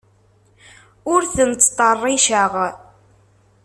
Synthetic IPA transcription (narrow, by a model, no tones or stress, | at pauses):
ʊɾθənt͡sːt̪ˤːərˤːiʃəʁ